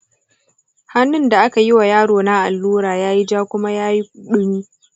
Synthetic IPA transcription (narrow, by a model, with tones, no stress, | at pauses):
ha˦nːɪ˦nda˨ʔa˦ka˨ji˦wa˨jaː˦ɽoː˨na˦ʔa˨lːuː˦ɽaː˨jaː˦ji˦d͡ʒaː˦kʷʊ˦ma˦jaː˦ji˦kʊ˨ɗʊ˦niː˦